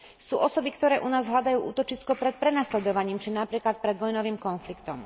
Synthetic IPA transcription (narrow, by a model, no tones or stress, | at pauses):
suːʔɔsɔbikt̪ɔɾɛːʔunaːzɦlʎad̪ajuːʔṵːt̪ɔt͡ʃiskɔpɾɛt̪̚pɾɛnaslɛd̪ɔʋaɲiːmt͡ʃinapɾiːklat̪̚pɾɛd̪ʋɔjnɔʋiːmkɔnflikt̪ɔm